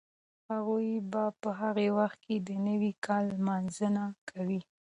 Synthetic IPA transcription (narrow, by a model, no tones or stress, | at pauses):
haɣujbapəɦaɣewaxt̪̚ked̪ənəwikʰɑlmɑnzənakʰawi